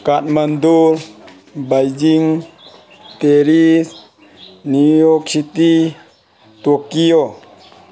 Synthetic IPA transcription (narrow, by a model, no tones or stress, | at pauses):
kat̚mand̪uɾ | bajd͡ʒiŋ | t̪eɾis | niɔksit̪i | t̪ukio